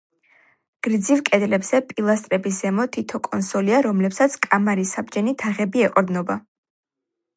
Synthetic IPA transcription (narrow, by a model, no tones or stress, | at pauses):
ɡ̥ɾid̪zivkʼɛd̪lɛbz̥ɛpʼilˠast̪ʼɾɛbis̬z̥ɛmɔt̪ʰit̪ʰɔkʼɔnsɔliaɾɔmlɛpsat̪sʰkʼamaɾisab̚d͡ʒɛnit̪ʰaʁɛbiɛqʼɔɾd̪nɔba